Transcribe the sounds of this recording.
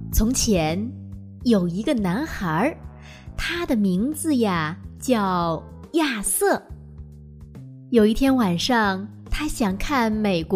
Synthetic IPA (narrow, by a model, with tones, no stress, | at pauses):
t͡sʰʊ˧˥ŋt͡ɕʰjɛ˧˥n | jo˨˩ʊi˧˥ɡə˧na˧˥nxa˧˥ | t̪ʰa˥d̪ə˨mi˧˥ŋd͡zɹ̩˧ja˩t͡ɕjɑ˥˧ʊ | ja˥˧sɤ˥˩ | jo˨˩ʊi˥˩t̪ʰjɛ˥nwa˨˩nʂɑ˥˧˩ŋ | t̪ʰa˥ɕjɑ˨˩ŋkʰa˥˩nme˨˩ɪkw